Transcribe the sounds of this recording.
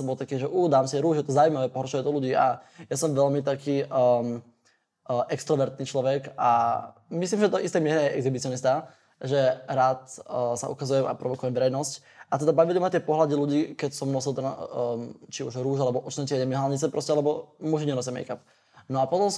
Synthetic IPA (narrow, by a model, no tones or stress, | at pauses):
ɔbɔlˠt̪akiːʒɛʔuːd̪aːmsiɛɾuːʒjɛt̪ɔzaːujmaʋɛːpɔɦɾɔʃʊjɛd̪ɔluɟiːʔa̰jasɔmʋɛlmit̪akiːə | ʔɛkst̪ɾɔʋɛɾt̪niːt͡ʃlɔʋɛkamis̬liːmʒɛt̪ɔʔist̪ɛːmɪɛɾɛɛʔɛɡzibit͡sɪɔnist̪a | ʒɛɾaːt̪ːsa̰ʔṵkazujɛma̰pɾɔʋɔkujɛmvɛɾɛjnɔsc | ʔat̪ɛd̪abaʋilimat̪ɪɛpɔɦlad̪iluɟiːkɛcsɔmnɔsilˠt̪ɛn | t͡ʃiuʒɾuːʒalɛbɔʔɔt͡ʃnɛcɛɲɛmiɦalɲit͡sɛpɾɔscɛalɛbɔmuʒiɲɛnɔs̬ɛmɛ̰jkap̚ | nɔapɔt̪ɔms